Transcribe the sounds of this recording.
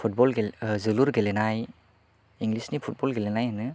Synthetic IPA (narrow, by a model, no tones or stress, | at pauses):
pʰut̚bɔlɡezɯluɾɡelenaj | iŋɡlisnipʰut̚bɔlɡelenajɦanɯ